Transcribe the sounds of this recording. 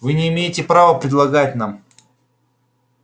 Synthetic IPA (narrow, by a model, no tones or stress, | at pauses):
vɨnʲɪːmʲejɪtʲɪpɾavəpɾʲɪd̪lˠɐɡat̚ʲnam